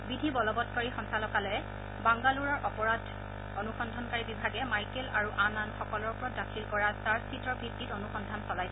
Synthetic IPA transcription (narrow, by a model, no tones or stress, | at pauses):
bidʱibɔlɔbɔtkɔɹixɔnsalɔkalɔɛ | baŋɡaluɹɔɹʔɔpɔɹadʱ | onuxɔndʱɔnkaɹibibʱaɡɛmajkɛlaɹuʔananxɔkɔlɔɹpɹɔt̚dakʰilkɔɹataɹstʰitɔɹbʱitːitɔnuxɔndʱansɔlajsɛ